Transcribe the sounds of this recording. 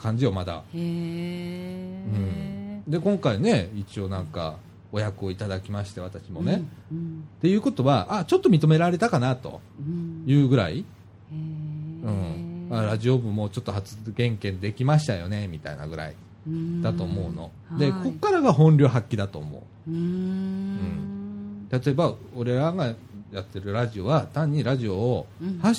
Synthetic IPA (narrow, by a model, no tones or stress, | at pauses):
kʰãɲ̟d͡ʑijo̞mad̪a̰ | ɯ̟̃ɴd̪e̞kõ̞ŋkaine̞it͡ɕio̞nãŋka̰ | o̞jakɯ̟o̞it̪ad̪akʲimaɕi̥t̪e̞βat̪aɕimo̞ne̞ | t̪e̞jɯ̟ːko̞t̪o̞βaʔat͡ɕo̞t̪ːo̞mʲit̪o̞me̞ɾaɾe̞t̪akanat̪o̞̰jɯ̟ːɡɯ̟ɾa̰i | ɯ̟̃ɴaɾaʑio̞bɯ̟̃mːo̞t͡ɕo̞t̪ːo̞ɦat͡sɨ̥ɡẽ̞ŋkẽ̞nd̪e̞kʲimaɕi̥t̪ajo̞̰ne̞mʲit̪a̰ina̰ɡɯ̟ɾa̰ḭ | d̪̥at̪o̞ːmo̞ɯno̞̰ | d̪e̞ko̞kːaɾaɡaɦõ̞nɾʲo̞ːɦakʲːid̪at̪o̞ːmo̞̰ɯ̟ | ɯ̟̃ɴt̪at̪o̞ebao̞ɾe̞ɾaɡa | jat̪ːe̞ɾɯ̟ɾaʑio̞βat̪ãɲ̟ːiɾaʑio̞ːha